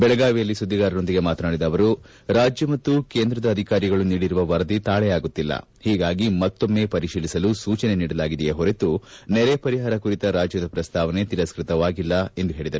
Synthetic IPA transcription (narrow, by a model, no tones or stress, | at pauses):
bɛɭɐɡaːʋijɐlːisud̪ʱːiɡaːɾɐɾo̞nd̪iɡe̞maːt̪ɐnaːɽid̪ɐʋɐɾu | ɾaːd͡ʒjɐmɐt̪ːukeːnd̪ɾɐd̪ɐːd̪ʱikaːɾiɡɐɭuniːɽiɾuʋɐʋɐɾɐd̪it̪aːɭɛjaːɡut̪ːilːɐ̰ | hiːɡaːɡimɐt̪ːo̞mːe̞pɐɾiʂiːlisɐlusuːt͡ʃɐne̞niːɽɐlaːɡid̪ɛjeɦoɾet̪unɛɾepɐɾiɦaːɾɐkuɾit̪ɐɾaːd͡ʒjɐd̪ɐpɾɐst̪ʰaːʋɐne̞t̪iɾɐskɾit̪ɐʋaːɡilːɐe̞nd̪uɦe̞ːɭid̪ɐɾe